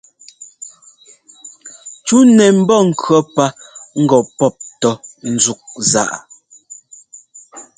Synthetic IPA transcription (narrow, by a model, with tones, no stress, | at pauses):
t͡ʃu˦nɛ˨m̩˦bɔ˦˨ŋ̩˨kɰɔ˦pa˦ŋ̩˦ɡɔ˨pɔ˦˨p̚tɔ˦n̩˨˦zu˦k̚za̰˨ʔ